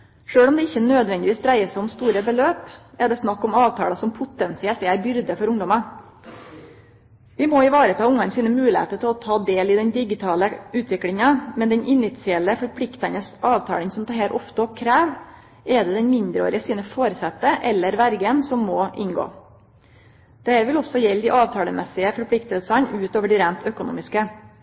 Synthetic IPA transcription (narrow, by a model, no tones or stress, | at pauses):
ʂøːɽɔmd̪ɛɪçːənøːd̪ʋɛnd̪ɪʋɪsd̪ɾæɪəsæɪɔmst̪uːɾəbəløːpæɖ̪ɛsnɑkːɔmɑːʋt̪ʰɑːɽɑsɔmpʰʊt̪ɛnsɪɛlt̪ɛæɾbʏɾd̪əfɔɾʊŋd̪ɔmɑ | ʋɪmɔɪʋɑːɾət̪ʰɑːʊŋːɑnsiːnəmʉːlɪhḛːt̪ət̪ʰɪlɔt̪ʰɑːd̪eːlɪd̪ɛnd̪ɪɡɪt̪ʰɑːləʉːt̪ʰʋɪklɪŋɑmɛd̪ɛnʔɪnɪt̪sɪɛləfɔɾpʰlɪkt̪ɑnəsɑːʋt̪ʰɑ̰ːlənsɔmt̪ɑhɛlʔɔft̪əkʰɾæːʋ | ɛd̪ɛd̪ɛnmɪnd̪ɾəo̰ːɾɪəsiːnəfoːɾəsɛt̪ːəʔɛlːəɾʋæɾɡənsɔmːɔʔɪ̰nɡo̰ː | d̪̥ɛhæɾʋɪlɔsɔjɛlːd̪ɪʔɑːʋt̪ʰɑːləmʔɛsɪəfɔɾpʰlɪkt̪əlsɑnʉːt̪oːʋəɖiɾæːmt̪œkʊnṵːmɪskə